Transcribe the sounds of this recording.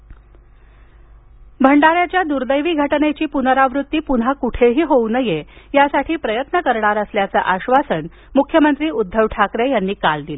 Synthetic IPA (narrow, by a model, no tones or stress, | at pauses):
bʱəɳɖaɾjat͡ɕjad̪uɾd̪əjʋiːɡʱəʈnet͡ɕiːpunəɾaʋɾut̪ːiːpun̤akuʈʰeɦiːɦounəjejasaʈʰiːpɾəjət̪nəkəɾɳaɾəsljat͡səʔaɕʋasən | mukʰjəmənt̪ɾiːud̪ʱːəʋʈʰakɾejanːiːkald̪ile